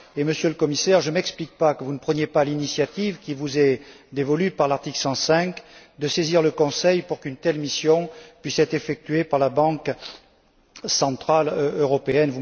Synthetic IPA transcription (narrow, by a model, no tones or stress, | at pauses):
eməsjøləkɔmisɛʁʒəmɛksplik̚pakəvunəpχənjepalinisjat̪ivkʲivuzɛ | d̪evɔlypaʁlaʁt̪iklsɑ̃sɛ̃kd̪əseziʁləkɔ̃sɛjpuʁkynt̪ɛlmisjɔ̃pɥisɛt̪χefɛk̚t̪ɥepaʁlabɑ̃k | sɑ̃t̪χaløʁɔpeɛnvu